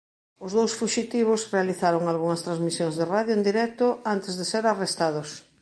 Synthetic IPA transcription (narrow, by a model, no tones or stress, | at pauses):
ʊzðowsfuʃit̪iβ̞ʊsrealiθaɾoŋalɣuŋɐst̪ɾazmisjoŋzðeraðjoend̪iɾɛk̚t̪oant̪ezðeseɾarest̪að̞os